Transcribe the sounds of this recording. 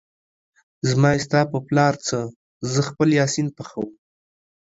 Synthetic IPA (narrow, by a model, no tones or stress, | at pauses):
zmɑɪst̪ɑpəplɑɾt͡sə | zəxpəljɑsinpaxawum